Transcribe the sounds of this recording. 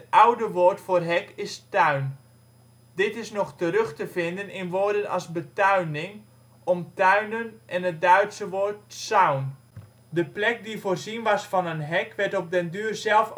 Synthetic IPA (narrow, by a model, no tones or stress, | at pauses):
ətʌwdəʋoːtfoːrɦɛkɪstœɥn | dɪtɪsnɔχtərɵχtəvɪndənɪnʋoːɹdənɑ̰lˠzbətœɥnɪŋ | ʔɔmtœɥnənʔɛnɦət̚dœɥtsəʋoːɹt̚sawn | dəplɛk̚divoːrzinʋɑsfɑnənɦɛkʋɛɹtɔp̚dəndyːrzɛlˠf